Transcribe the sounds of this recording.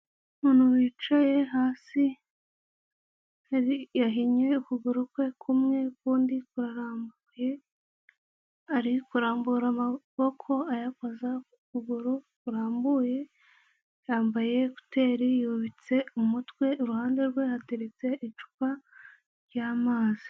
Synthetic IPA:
munuwit͡ʃajeɦaːsi | aijaɦiɲe̞ukuɡuɾukwe̞kʰumŋe̞kuːndikuɾaɾaːmbuje | aɾikuɾaːmbuɾamaβo̞kʰo̞ajakoza | kuɡuɾokuɾaːmbuje̞ | jaːmbaje̞ku̥te̞ːɾijuβit͡se̞umutwe̞uɾuhaːnde̞ɾɡwehatiɾit͡se̞ʔit͡ʃu̥ka | ɾɟaːmaːz̥i̥

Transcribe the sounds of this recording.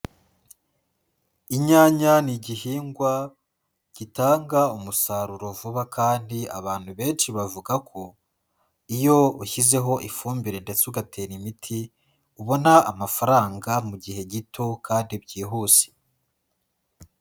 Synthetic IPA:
iɲaːɲaniɟihiːŋɡwa | ɟ̥itaːŋɡaumusaːɾuɾo̞vuβakʰaːndia̰βaːn̥huβe̞ːnʃiβavuɡakʰo̞ | ijo̞uçize̞ɦo̞ʔifuːmbiɾe̞nde̞t͡suɡatenimitʰi | uβo̞naːmafaɾaːŋɡamuɟihe̞ɟitʰo̞kʰaːndibɟiːɦuːse̥

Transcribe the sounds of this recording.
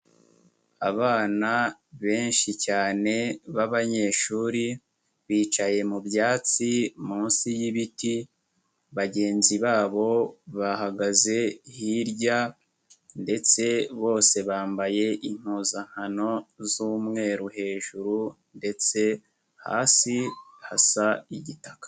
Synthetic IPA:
a̰βaːnaβe̞ːnʃicaːne̞βaβaɲe̞ːʃuːɾi | βiːt͡ʃaje̞mubjaːt͡simuːnsijiβiti | βaɟe̞ːnziβaːβo̞βaɦaɡaze̞hiɾɟa | nde̞t͡se̞βo̞ːse̞βaːmbaje̞ʔin̥huːzaŋ̥hano̞zuːmŋe̞ːɾuhe̞ːʒuɾu | nde̞t͡se̞ | ha̰ːsihasaiɟitakḁ

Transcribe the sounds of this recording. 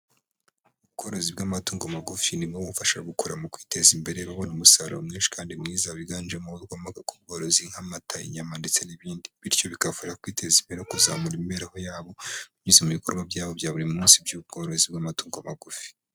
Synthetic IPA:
uβ̚ɡo̞ːɾozib̚ɡamatuːŋɡomaɡufinibɡoβufaʃaɡukoɾamukwiːte̞zimbe̞ɾeβaβo̞numusaɾomŋiːnʃi̥kaːndimŋiːzaβiɡaːnd͡ʒemoɡomaɡakub̚ɡo̞ːɾo̞ziŋ̥hamatʰajḭɲamandit͡se̞niβiːndiβiɾjo̞βikafoɾeakwiːte̞zimbeɾeokuzamuɾimbeɾeho̞jaːβo̞mizemuβikoɾɡwabjaːβo̞bjaːβuɾimumuːnsibjuːb̚ɡo̞ːɾozibɡamatuːŋɡomaɡufi̥

